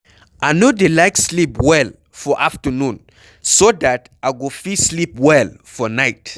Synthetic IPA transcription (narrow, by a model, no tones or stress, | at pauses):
ʔanodelaɪkslipwɛl | fɔʔaftənũn | sodat | aɡofislipwɛlfɔnaɪt